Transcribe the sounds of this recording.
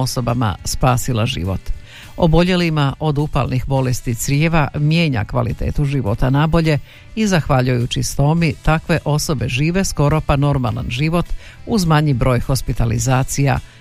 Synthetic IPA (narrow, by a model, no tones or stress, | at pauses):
oso̞bama̰spaːsilaʒḭːʋo̞̰t̪ | o̰bo̞ʎe̞limaʔo̞d̪upa̰lˠnixbo̞lest̪it̪sɾʲjeːʋamje̞ːɲa̰kʋa̰lḭt̪e̞̰ːt̪uʒiʋo̞t̪anabo̞ʎe̞ | izaxʋaʎujut͡ɕist̪o̞mit̪akʋe̞ʔo̞so̞be̞ʒiːʋe̞sko̞ɾo̞pano̞ɾmalˠa̰nʒiʋo̞t̪uzmaɲibɾo̞ːjxo̞spit̪alḭzaːt̪sija̰